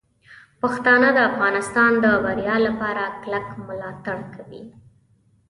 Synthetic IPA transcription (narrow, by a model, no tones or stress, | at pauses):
paxt̪ɑnəd̪əafɣɑnɪst̪ɑnd̪əbaɾjɑlapɑɾaklakmlɑt̪aɽkʰawḭ